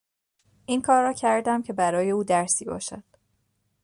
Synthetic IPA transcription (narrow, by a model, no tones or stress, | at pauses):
ʔiːnkʰɒːɾːɒːcʰæɾd̪æmcʰe̞bæɾɒːje̞uːd̪æɾsiːbɒ̰ːʃæd̪̥